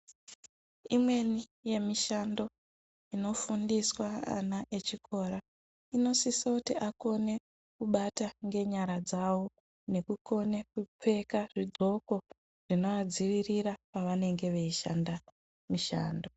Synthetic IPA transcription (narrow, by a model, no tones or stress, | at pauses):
imwe̞ni | je̞miʃando̞ | ino̞fundiswaa̰naʔe̞t͡ʃikʰo̞ːɾa | ino̞sisoutiʔako̞ne̞ | kuɓataŋɡe̞ɲaɾad͡zawo | ne̞kuko̞ne̞kup͡fe̞kaʐidʱo̞ko̞ | ʐ̥ino̞ʋad͡ziʋiriɾapaʋane̞ŋɡe̞ʋe̞iʃanda | miʃa̰ːndo